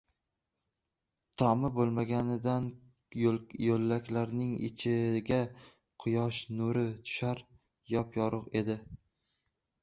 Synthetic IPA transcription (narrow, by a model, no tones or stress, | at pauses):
t̪ʰɒmɪbolˠmaɡʲanɪd̪an | jolːakʲlaɾnɪŋɪ̰t͡ʃʰɪɡʲa | qʰʊjɒʃnʊɾɪt̪ʰʊ̥ʃaɾ | jɒpjɒɾʊqe̞d̪ɪ